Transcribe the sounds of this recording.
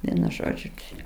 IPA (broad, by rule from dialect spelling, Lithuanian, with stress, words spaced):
ˈʋʲiɛnʊ ˈʒoːd͡ʒʲʊ ˈt͡ʃʲɛ